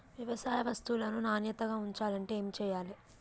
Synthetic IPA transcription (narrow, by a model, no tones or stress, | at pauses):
ʋjɐʋɐsaːjɐʋɐst̪ulɐnunaːnjɐt̪ɐɡaːuɲt͡ʃaːlɐɳʈe̞eːmit͡ʃɛːjaːli